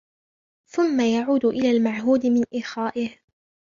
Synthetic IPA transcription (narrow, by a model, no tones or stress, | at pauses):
θʊmːajaʕuːd̪ʊʔɪlaːlmaʕɦuːd̪ɪmɪnʔɪːxaːʔɪh